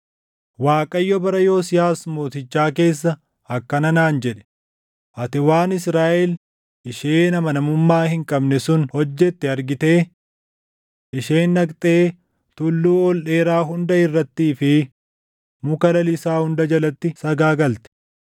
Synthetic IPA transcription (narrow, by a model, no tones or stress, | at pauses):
waːkʼɐjːɔbɐɾɐjoːsɪjaːsmo̞ːt̪ɪt͡ʃːaːke̞ːsːɐ | ɐkːɐnɐnaːnd͡ʒɛᶑɛ̥ | ʔɐt̪ɪwaːnɪsɾaːʔɛl | ʔɪʃeːnɐmɐnɐmʊmːaːhɪŋkʼɐbnɛsʊnhɔd͡ʒːɛt̪ːɛɐɾɡɪt̪e̞ː | ʔɪʃeːnːɐkʼt̪ʼeː | t̪ʊlːuːɔlʔe̞ːɾaːɦʊnd̪ɐɪrːɐt̪ːiːfɪ | mʊkɐlɐlɪsaːhʊnd̪ɐd͡ʒɐlɐt̪ːɪsɐɡaːɡɐlt̪ɛ̥